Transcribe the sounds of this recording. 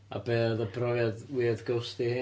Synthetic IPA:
a̰beːðəbrɔjadwiðɡowstihɪ

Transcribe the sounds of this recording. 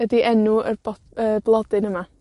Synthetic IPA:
ədiʔɛnuərbɔ | ərblˠɔdɨnəma

